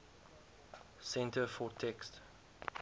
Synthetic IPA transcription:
sɛ̃ntəfɔtʰɛkst

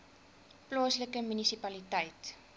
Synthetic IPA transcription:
plɑːsləkəmynisipɐlitɛjt

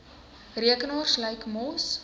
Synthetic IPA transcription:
riəkənɑːrsləjkmɔs

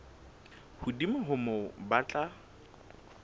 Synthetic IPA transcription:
hʊdimɪɦʊmʊbat͡ɬʼa

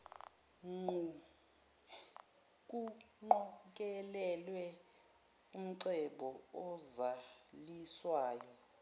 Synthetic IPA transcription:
ŋ͡ǃu | k̬ʼuŋ͡ǃɔk̬ʼɛlɛlwɛ | um̩ǀɛɓɔɔzaliswaːjɔ

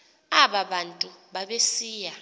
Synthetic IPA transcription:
aɓaɓantʼuɓaɓesiːja

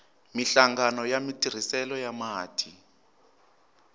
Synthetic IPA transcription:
miɬaŋɡanɔjamitʰʼir̤isɛlɔjamaːtʰi

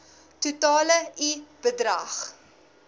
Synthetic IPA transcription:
tutɑːləib̥ədrɐχ

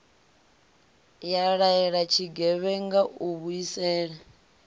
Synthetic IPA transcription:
jaɺaɛɺat͡ʃʰiɡɛβɛŋɡaʔuβuisɛːɺɛ

